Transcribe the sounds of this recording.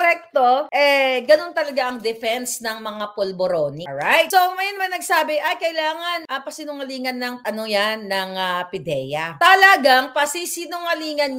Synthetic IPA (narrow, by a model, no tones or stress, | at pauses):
kɾɛk̚t̪o̞ʔɛɡɐno̞nt̪ɐlɐɡaʔɐŋd̪ɛfɛnsnɐŋmɐŋapolboɾoːniɹajt̪̚somɐjɐnɐmanɐɡsaːbɪʔɐjkɐɪlaːŋɐnʔɐpɐsinʊŋɐliːŋɐnːɐŋʔɐnojanːɐŋɐpɪd̪ɛːjɐt̪ɐlɐɡaŋpɐsisinʊŋɐliːŋɐn